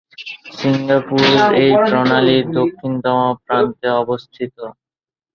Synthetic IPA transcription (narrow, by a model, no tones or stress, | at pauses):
siŋɡapuɾejʈɾɔnaliɾd̪okʰːint̪ɔmapɾant̪eɔbost̪ʰit̪o